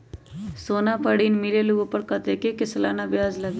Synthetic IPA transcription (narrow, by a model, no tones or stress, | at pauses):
soːnapəɽiːnmileloːɡõpɐɾkɐt̪ekekɪslaːnabjaːzlɐɡ